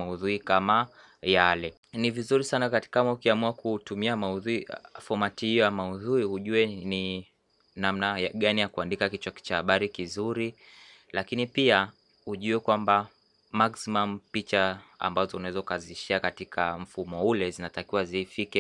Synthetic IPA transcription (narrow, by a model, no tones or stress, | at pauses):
auðuɾikama | jalɛ | nivizuɾisanakatkamaukiamuakutumiamauðufɔmatihijɔjamauðuɾihuʄuɛni | nam̩najɠanijakuandikakit͡ʃwakt͡ʃahaɓaɾikizuɾi | lakinipia | huʄuɛkwamba | maksimam̩pit͡ʃaa̰mbazɔunaɛzɔukaziʃiakatikʰam̩fumɔulɛzinatakiwazifikɛ